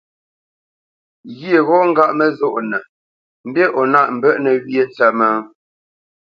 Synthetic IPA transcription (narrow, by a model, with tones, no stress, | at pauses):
ɣje˦˨ɣɔ˦ŋ̩˦ɡa˦ʔmə˦zo˦˨ʔnə˨ | m̩˦be˦ʔɔ˨na˦ʔm̩˨bə˦ʔnə˨ɣje˦n˦t͡sɛ˦mə˦ŋ